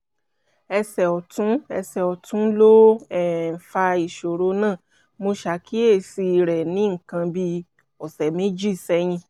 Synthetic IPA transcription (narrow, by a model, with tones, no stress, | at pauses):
ɛ˧sɛ˨ɔ˨tũ˨˦ɛ˧sɛ˨ɔ˨tũ˨˦lo˦ɛ˨fa˧i˨ʃo˨ɾo˨˦nãː˦˨ | mo˧ʃa˨ki˦e˦˨si˧ɾɛ˨nĩ˨˦ŋ̩˨kã˧bi˧ | ɔ˨sɛ˨mẽ˦d͡ʒi˦˨sɛ˨˦j̃ĩ˧